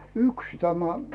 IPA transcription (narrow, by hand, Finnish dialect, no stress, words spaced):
yks tæmæ